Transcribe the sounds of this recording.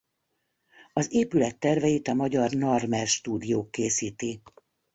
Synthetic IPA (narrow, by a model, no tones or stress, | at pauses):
ɒzeːpylɛt̪ːɛrvɛjit̪ɒmɒɟɒrnɒrmɛlʃt̪uːd̪ijoːkːeːsiːt̪i